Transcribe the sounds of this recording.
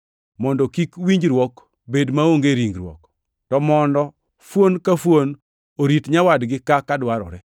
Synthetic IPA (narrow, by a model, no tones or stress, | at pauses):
mɔndɔkikwiɲd͡ʒɾwɔk | bedmaoŋɡeɾiŋɡɾwɔ̰k | tɔmɔndɔ | fwonkafwon | oɾitɲawadɡɪkakadwaɾɔ̰ɾɛ